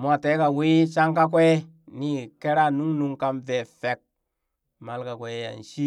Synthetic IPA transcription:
mu˦a˨te˨˦ka˨wi˦t͡ʃa˦ŋka˦k̬ʷe˦ | ni˦ke˦ɾa˦˨nu˦ŋnu˧ŋka˧mve˨fe˨k̚ | ma˨lka˨kʷe˨˦ja̰˨n˨ʃi˦

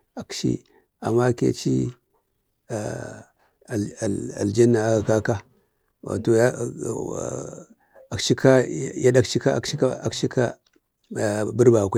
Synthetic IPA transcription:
a˨kʃḭ˦ | a̰˨mːa˦kḛ˦t͡ʃḭ˦ | a˨ | a̰˨ld͡ʒe˦nːa˨a˦ɡa˨ka˦ka˦ | wa̰˨to˨ja˦˨ | a˨kʃi˦ka˦ja˦ɗa˦kt͡ʃi˦ka̰˦˨kʃi˦ka˦a˨kʃi˦ka˦˨ | bu˦ɾba˨kʷe˦

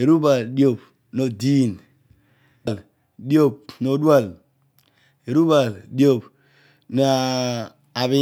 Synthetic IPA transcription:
e˨ɾu˦ba˨ldjo˨p | no˨di˦˨n˨ | l | di˦o˦˨p̚no˨˦dwa˦˨l | e˨ɾu˦ba˨ldi˦o˦˨p | n˨a˨ | a˨βi˦

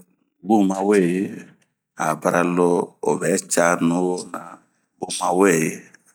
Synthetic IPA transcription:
bu˦˨ma˨we˦˨je˦ | a̰˨ba˦ɾʔa˨lo˦o˨bɛ˨˦t͡ʃa˦nũ˦o˦na˨ | bu˨mã˨we˦˨je˨

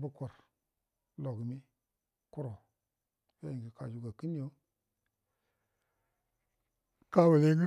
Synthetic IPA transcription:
bu˦ko˨ɾ | lo˨ɡi˨mi˦ | ku˦ɾo˨ | fa˦ji˨ŋɡi˨ka˨d͡ʒu˨ɡa˨ki˦ni˦jo˦ | ka˦wu˨le˦ŋɡi˦

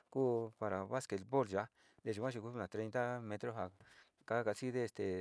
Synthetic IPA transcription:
ku˦pa˨˧ɾa˨βa˦ske˧t̪̚bo˦lʒa˨˦ | d̪e˨ʃi˧kʷã˦ʃ̬i˧ku˧˦u˦nã˨t̪ɾe˧˦nt̪a˦mẽ˧t̪ɾo˦ɦa˨ | ka˦ka˧si˦ðe˦˧˨st̪e˨

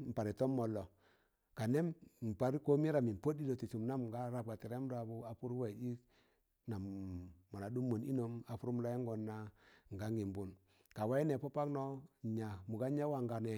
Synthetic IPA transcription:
m̩˨pa˨ɾi˨tɔ˦mːɔ˨lːɔ˨ | ka˨nɛ˦mm̩˨pa˦ɾko˦mi˦ɾa˨mi˨m̩˨po˦di˦lo˨ti˨su˨mna˦mŋ˨ɡa˦ɾa˨p̚ɡa˨ti˨ɾɛ˦m˦da˨bu˦a˨pu˦ɾwɛ˨di˦k | na˨mːɔ˨na˨du˦mːo˨ni˦no˦ma˨fu˦ɾu˦m˦la˦ɛ˦ŋɡɔ˨nːa˦ŋ˨ɡa˨˦ŋi˨m˦bu˨n | ka˨wa˦i˦nɛ˨pɔ˦pa˦knɔ˦˨ɲa˨mu˨ɡa˦ɲa˦wa˨ŋɡa˨nɛ˨

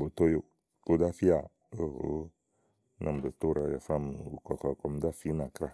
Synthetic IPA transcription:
bo˨t̪o˦jo˦ | ko˦da˦fi˦a˨ | o˦ɦo˨˦ | na̰˨m̩˨bo˨t̪o˦ɾa˨ja˨fɾa˦m˨o˨kɔ˨kɔ˨kɔ˨m˦da˦fi˦nã˨kɾa˦˨

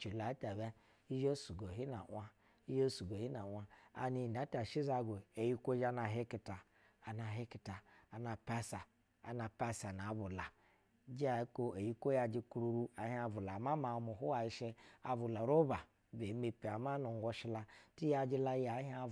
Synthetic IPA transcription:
t͡ʃi˨la˨˦ta˨bɛ˦ | i˦ʒe˦su˨ɡo˨ɦi˦na˨˦a˦ | i˦ʒo˦su˨ɡo˨hi˦na˨wʷa˦a̰˨ni˧˨da˨˦ta˨ʃi˦za˧ɡo˨e˨ji˦kʷo˦ʒa˧na˨ɦe˦ki˨taː˨ | na˨ɦe˦ki˨ta˨a˨na˨pa˦sa˨ | a̰˨na˨pa˦sa˨na˨˦bu˨la˨˦ | d͡ʒi˦a˨˦ko˦e˨ji˦ko˦ja˧d͡ʒi˧kɾu˧ɾu˦a˨ha˧vu˨la˨ma˦ma˨˦mu˨ɦu˦wa˨i˦ʃe˧a̰˨vu˨la˨ɾo˦ba˨ | be˨˦me˨pi˨a˨ma˦nu˨ŋ˦ɡo˧ʃi˧˦la˧ti˦ja˧d͡ʒi˧la˧ja˨˦hi˦a˦

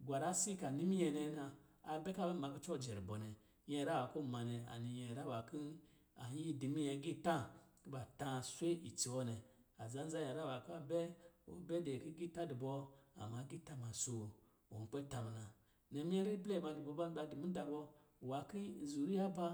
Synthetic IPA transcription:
ɡʷa˨ɾa˦si˦ka˨ni˦mi˦jɛ˧nɛ˧˦naː˧˨bɛ˦ka˦bɛ˦˨ma˨˧ki˦t͡ʃɔ˦˨d͡ʒɛ˨ɾi˨bɔ˨nɛ˨ | jɛ˧˨ɾa˦wa˨˦ko˦˨ma˨nɛ˨a̰˨ni˨jɛ˨ɾa˦wa˨ki˦ | a˨˦i˦˨di˨mi˦ɛ˧˦ɡi˦tã˦˨ki˦ba˨tã˧˨sʷe˦i˨t͡si˨wɔ˦nɛ˨a˨za˨˦n˦za˦ja˨ɾa˦˨wa˨ki˦a˦bɛ˦o̰˨˦bɛ˦de˨ki˦ɡi˦˨ta˦di˨bɔ˧a̰˨ma˨˦ɡi˦˨ta˦˨ma˨so˨ | o˨k͡pɛ˦ta˨m˨na˨ | nɛ˨mi˦ɛ˦ɾi˦blɛ˦˨ma˧˨du˨bɔ˧˦ba˦ba˧di˨mi˦da˧bɔ˧˨wa˨ki˦˨zu˨ɾi˦a˦ba˦

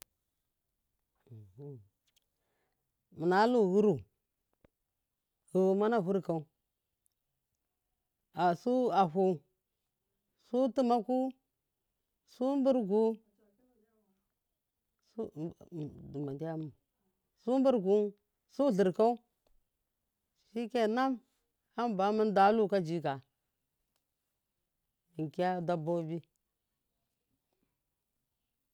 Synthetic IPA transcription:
mə˨na˨˦lu˦ɣu˦ɾu˨ | ɣu˨wu˨ma˦na˦˨vu˦ɾka˨˦u˦ | a˨su˦a˨ɦu˨˦ | su˦ti˦ma˦ku˦ | su˦mbu˦ɾɡu˦ | su˦˨ | du˨ma˨di˦ja˦m˨ | su˦m˦bu˦ɾɡu˦n | su˦ɮə˨ɾka˦u˦ | ʃi˦ke˨na˦m | ha˦mba˨˦mi˦n˦da˨˦lu˦ka˦d͡ʒi˦ka˨ | i˨ŋ˨ki˦a˦da˦bo˦bi˦

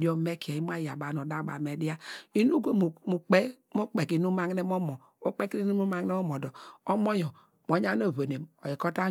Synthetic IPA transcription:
do˦me˦ki˨e˨i˦m˦a˦˨ja˨ba˨no˨da˦˨ba̰˨me˨˦di˦a˦i˦nu˦ɡo˦m˨mu˨k͡pe˦ | mo˦k͡pe˨ki˨nu˦ma˦ŋ˦e˦mo˦mo˨ | o˦k͡pe˦ki˦i˦u˦mu˦ma˨ŋ˦e˦mo˦mo˨dɔ˨o˦mo˦jɔ˨ | m˨o˨ɲa˦no˦˨vo˨ne˨mo̰˨ji˨ko˦ta˦

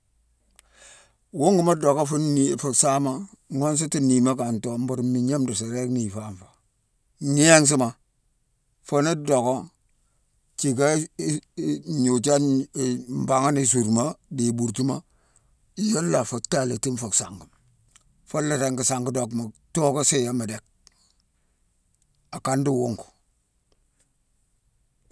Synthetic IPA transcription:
wo˦ŋɡi˨ma˦do˨ko˦fu˦˨fu˨ksa˦ma˦ŋo˦ns̬i˦ti˦ni˨ma˦ka˨nto˨m̩˦bu˨ɾmi˨ɲe˦mdu˨sa˨ɾe˦kmi˨fa˦˨ɱfḁ˨ | ɲi˦e˦ŋs̬i˦ma˨ | fo˦ni˦do˨ko˦ | t͡ʃi˨ka˦ | ɲu˨t͡ʃa˦˨ | m˨ba˨ŋa˦ni˨s̬u˨ɾma˦di˨bu˨ɾti˦ma˦ | i˨jo˦lːa˨fo˨ta˦˨la˨ti˦mfo˨ksa˨ŋɡi˨ | fo˦le˨ɾe˦ŋki˨sa˨ŋɡu˦do˦˨kma˨to˦ko˦se˦ja˦ma˨de˦k̚ | a˨ka˦ndi˦˨wo˦ŋku̥˨

